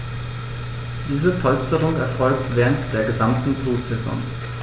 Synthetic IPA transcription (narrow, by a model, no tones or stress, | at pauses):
d̥iːzəpʰɔlstəʁʊŋɛɐfɔlk̚tv̥ɛːʁəntd̥eːɐɡəzamtn̩tʰoːtz̥ɛzɔ̰ŋ